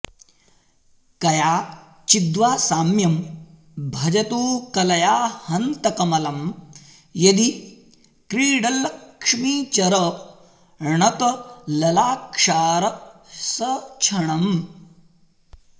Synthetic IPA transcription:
kɐjaː | t͡ʃid̪ʋaːsaːmjɐm | bʱɐd͡ʒɐt̪uːkɐlɐjaːhɐnt̪ɐkɐmɐlɐm | jɐd̪i | kɾiːɽɐlːɐkʂmiːt͡ʃɐɾɐ | ɳɐt̪ɐlɐlaːkʂaːɾɐsɐt͡ʃʰɐɳɐm

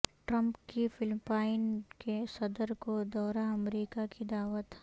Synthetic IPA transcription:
ʈɾə̃mpkifɪlpaːɪnkesɐd̪əɾkod̪ɔːɾaɐmɾiːkakid̪aːʋət̪

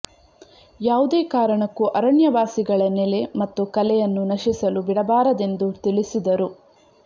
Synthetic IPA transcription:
jaːʋud̪eːkaːɾɐɳɐkːuʔɐɾɐɳjɐʋaːsiɡɐɭɐnele̞mɐt̪ːukɐlɛjɐnːunɐʃisɐlubiɽɐbaːɾɐd̪e̞nd̪ut̪iɭisid̪ɐɾu

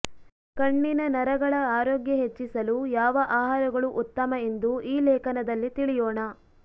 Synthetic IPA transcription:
kɐɳːinɐnɐɾɐɡɐɭɐaːɾoːɡjɐɦet͡ʃːisɐlujaːʋɐʔaːɦaːɾɐɡɐɭuʔut̪ːɐmɐend̪uʔiːlɛːkɐnɐd̪ɐlːit̪iɭijɔːɳɐ

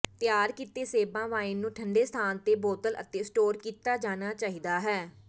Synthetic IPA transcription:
t̪ɪjaːɾkiːt̪eːseːbãːʋaːɪnːũːʈʰəɳɖeːst̪ʰaːnt̪eːboːt̪ələ̰t̪eːsʈoːɾkiːt̪aːd͡ʒaːnaːt͡ʃaːɦiːd̪aːɦɛː

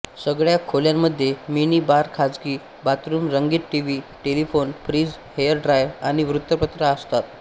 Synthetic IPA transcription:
səɡɭjakʰoljamːəd̪ʱːjeminiːbaɾkʰad͡zɡiː | bat̪ɾuːmɾəŋɡiːt̪ʈiʋiʈelifonpʰɾiːd͡z | hejəɾɖɾajʋaɽ̃iʋɾut̪ːəpət̪ɾəəst̪at̪̚

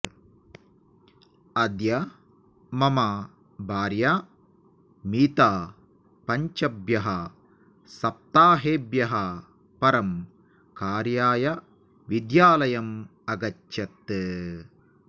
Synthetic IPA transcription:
ɐd̪jɐ | mɐmaː | baːɾjaː | miːt̪aː | pɐɲt͡ʃɐbjɐɦɐ | sɐp̚t̪aːɦeːbjɐɦɐ | pɐɾɐm | kaːɾjaːjɐ | ʋid̪jaːlɐjɐmɐɡɐtːʃɐt̪ːɨ

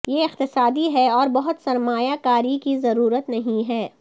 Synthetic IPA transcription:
jeɪqt̪ɪsaːd̪iɦɛɔːɾbɐɦʊt̪sɐɾmaːjakaːɾikizɐɾuːɾət̪nɐɦĩɦɛː

